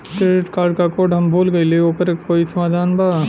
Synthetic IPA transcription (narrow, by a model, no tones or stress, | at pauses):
kɾeɾeʈkaːɾɖkakoːʈɦɐmbʱuːlɡɐileoːpəɾekkːoːisɐmaːd̪ʱaːnbaː